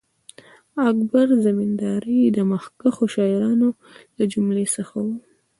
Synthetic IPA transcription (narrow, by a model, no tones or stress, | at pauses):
akbaɾzamind̪ɑɾid̪əməxkaxoʃɑɪɾɑno | lad͡ʒumlesəxawu